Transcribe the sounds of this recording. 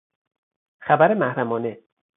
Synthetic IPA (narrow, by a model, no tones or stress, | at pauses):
xæbæɾemæhɾæmɒːne